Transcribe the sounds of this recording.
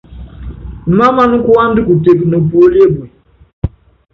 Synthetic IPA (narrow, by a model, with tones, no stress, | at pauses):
ma˦ma˦nu˦ku˦a˦ndi˦ku˨te˨bi˨nɔ˨po˦le˦bɛ˨